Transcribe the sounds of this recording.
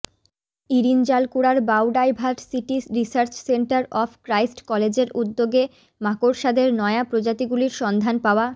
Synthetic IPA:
iɾind͡ʑalkuɽaɾbawɖajbʱaʈsiʈiɾisaɾt͡ɕseɳʈaɾɔfʰkɾajsʈkɔled͡ʑeɾud̪ːoɡe | makoɾʃad̪eɾnɔeapɾod͡ʑat̪iɡuliɾʃɔnd̪ʱanpaoa

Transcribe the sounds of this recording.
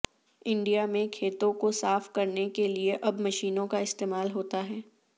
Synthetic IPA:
ɪ̃ɳɖijamẽkʰeːt̪õkosaːfkɐɾnekelieʔɐbmɐʃiːnõkaɪst̪eːmaːlɦoːt̪aɦɛː

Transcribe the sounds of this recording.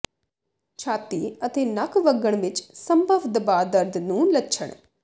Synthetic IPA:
t͡ʃʰaːt̪iːət̪eːnəkʋəɡəɳ̃ʋɪt͡ʃsəmbʱəʋd̪əbaːd̪əɾd̪nũːlətːʃʰəɳ̃

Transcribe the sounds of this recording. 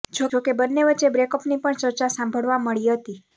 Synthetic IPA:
d͡ʒookebənːeʋətːt͡ʃːebɾekɔpnipəɳt͡ʃəɾt͡ʃasãmbʱəɭʋaməɭiɦət̪i

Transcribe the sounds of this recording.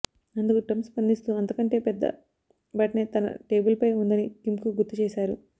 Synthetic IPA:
ɐnd̪ukuʈɐmspɐnd̪ist̪uɐnt̪ɐkɐɳʈe̞ːpɛd̪ːɐ̰ | bɐʈɐneːt̪ɐnɐ̰ʈe̞ːbulpɐjund̪ɐnikimkuɡuɾt̪ːut͡ʃeːsaːɾṵ

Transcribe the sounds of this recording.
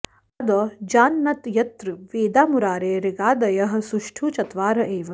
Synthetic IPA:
ɐd̪ɐd͡ʒaːnːɐt̪jɐt̪ɾɨʋeːd̪aːmuɾaːɾeːɾiɡaːd̪ɐjɐɦɐ̆suʃʈʰuːt͡ʃɐt̪ʋaːɾɐʔeːʋɐ

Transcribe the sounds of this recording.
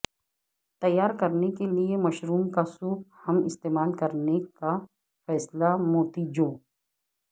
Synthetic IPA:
t̪ɐjːaːɾkɐɾnekeliemɐʃɾuːmkasuːbhɐmɪst̪eːmaːlkɐɾneka | fɛːslamoːt̪id͡ʒoː

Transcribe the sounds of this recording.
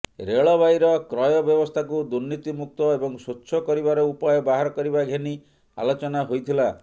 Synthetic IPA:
ɾeɭɔbʱajɾɔkɾɔjɔbjɔbɔst̪ʰakud̪uɾnit̪imuk̚t̪ɔebɔŋsutːʃʰɔkɔɾibaɾɔupajɔbaɦaɾɔkɔɾibaɡʱeni | a̰lot͡ʃɔnaɦojt̪ʰila

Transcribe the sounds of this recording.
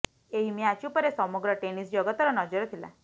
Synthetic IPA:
eɦimiat͡ʃupəɾesɔmɔɡɾɔʈenisd͡ʒɔɡɔt̪ɔɾɔnɔd͡ʒɔɾt̪ʰila̰

